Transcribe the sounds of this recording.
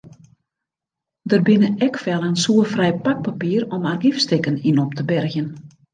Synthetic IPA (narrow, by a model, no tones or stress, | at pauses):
dərbɪnəɛkfɛlˠənsuəfrɛjpak̚papiːəɾɔmarɡifstɪkəninɔp̚tʰəbɛrxjən